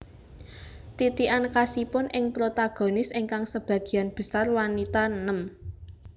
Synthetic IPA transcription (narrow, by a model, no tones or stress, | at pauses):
t̪it̪iʔankasipʊnʔɪŋpɾot̪aɡ̥o̤nɪsɪŋkaŋsəb̥ä̤ɡ̥i̤janb̥ə̤sarwanit̪annəm